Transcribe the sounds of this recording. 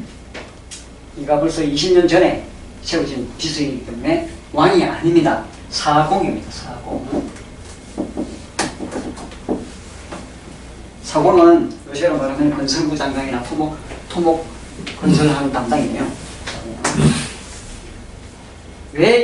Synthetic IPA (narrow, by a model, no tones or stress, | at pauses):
iɡaboɭs͈ʌiɕʰiɲʌnt͡ɕʌne̞ | sʰeud͡ʑinpisʰuitɯmmewaɲia̰ɲimɲida | sʰaɡoŋimɲidasʰaɡ̥oŋ | sʰaɡoŋanjoɕʰiaɾomaɾamjʌnɯnkʌnsʰʌŋbutaŋɡaŋinatʰomoktʰomok͈ː | ʌnsʰʌɭɦaŋtamdaŋijo | we